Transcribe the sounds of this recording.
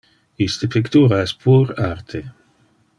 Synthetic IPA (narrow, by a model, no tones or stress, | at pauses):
ist̪əpʰikt̪uːɾaɛspʰuɾart̪ʰe